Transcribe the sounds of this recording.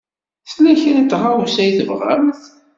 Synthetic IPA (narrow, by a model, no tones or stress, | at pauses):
θlæçɾit̪ːʁawusæjθəvʁæ̰mθ